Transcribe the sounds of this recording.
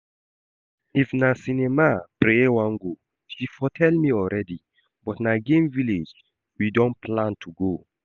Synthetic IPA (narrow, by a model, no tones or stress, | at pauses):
ifnasinɛmapɾewãŋɡo | ʃifɔtʰɛlmiɔlɹɛdi | bɔtnaɡẽmviled͡ʒ | widɔ̃nplãntʰuɡo